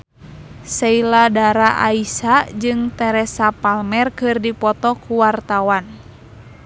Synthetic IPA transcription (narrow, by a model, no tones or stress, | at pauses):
sɛiladaɾaʔa̰isad͡ʒɨŋt̪ɛɾɛsapalmɛrkɨrdipɔt̪ɔkuwart̪awan